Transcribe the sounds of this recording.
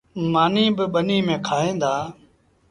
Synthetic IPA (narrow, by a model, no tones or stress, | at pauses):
maːniːbɪɓəniːmẽːkʰaːɦẽːnd̪aː